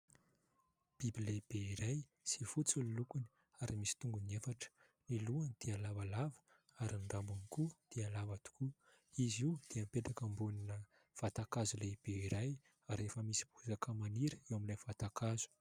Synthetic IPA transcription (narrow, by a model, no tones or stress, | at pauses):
b̥ibileb̥eiɾaj | sifut͡sulilukuni | aɾimisi̥t̪uŋɡunefaʈ͡ʂə̥ | niluand̪̥ialavalavə̥ | aɾinɖ͡ʐambunikud̪̥ealavat̪u̥ku | iziwd̪̥eampet̪akəmbuninə | v̥at̪akazulejb̥eiɾaj | aɾefəmisi̥b̥uzakʰəmaniɾəewamilafat̪akʰazu̥